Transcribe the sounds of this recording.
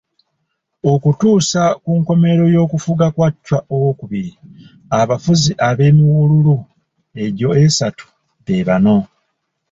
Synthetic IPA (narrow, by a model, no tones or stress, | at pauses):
o̞kutuːsakuŋko̞me̞ɾo̞jo̞ːkufuɡakwacːwaʔowo̞kuβiɾi | aβafuziʔaβe̞ːmiwululu | e̞ɟo̞esatu̥ | βe̞βano̞